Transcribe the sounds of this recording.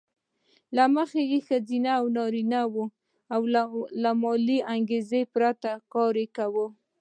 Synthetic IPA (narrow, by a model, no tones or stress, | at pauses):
laməxejexazinaːwnɑɾinawu | awlamɑliaŋɡezepɾat̪akɑɾekawə